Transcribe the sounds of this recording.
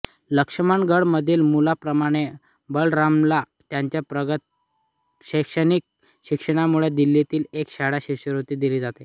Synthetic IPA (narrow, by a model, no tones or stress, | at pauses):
ləkʂəmaɳɡəɽməd̪ʱiːlmulapɾəmaɽ̃e | bəɭɾamla | t̪jaɲt͡ɕjapɾəɡət̪ | ɕəkʂənik̚ | ɕikʂəɽ̃amuɭed̪ilːit̪iːlekɕaɽaɕiɕəɾot̪iːd̪iliːd͡zat̪e